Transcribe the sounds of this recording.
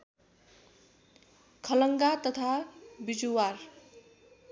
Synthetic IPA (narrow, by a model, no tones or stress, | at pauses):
kʰʌlʌŋɡat̪ʌt̪ʰabid͡zuwar